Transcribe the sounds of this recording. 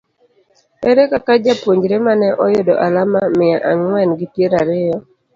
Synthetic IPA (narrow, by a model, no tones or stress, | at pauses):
ɛɾɛkakad͡ʒapwoɲd͡ʒɾemanɛʔɔjodɔʔalamamɪaʔaŋwɛnɡitjeɾaɾɪjɔ